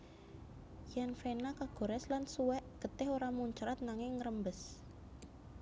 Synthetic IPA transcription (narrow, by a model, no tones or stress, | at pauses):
janfenakaɡ̥o̤ɾɛslansuwɛʔɡ̥ə̤t̪ɪɦoɾamuɲt͡ʃɾat̪̚naŋɪŋːəɾəmbəs